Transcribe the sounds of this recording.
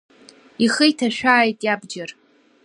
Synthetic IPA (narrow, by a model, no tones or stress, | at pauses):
iχəjtʰaʃᶣaːjtʼjabd͡ʒar